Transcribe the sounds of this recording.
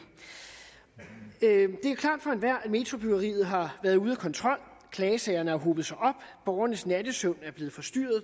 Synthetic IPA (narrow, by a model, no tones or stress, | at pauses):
d̥e̝æɐkʰlɑ̈ːd̥fɒ̽e̝nʋæɐ̰ædme̝t͡sʰʁob̥yɡ̥ɐʁḭːð̞̩ˠɦɑ̈ʋæːɐðˠuːð̞ˠækʰɒ̽nt͡sʰʁɒ̽l̰kʰlɛːsɛɪɐnəhɑ̈ɦoːb̥ð̞̩ˠsɑ̈ɪʔɒ̽b̥b̥ɒʊɐnəsnæd̥əsɔn̰æɐb̥le̝ːð̩ˠfɒ̽sd̥yɐ̰ð̞̩ˠ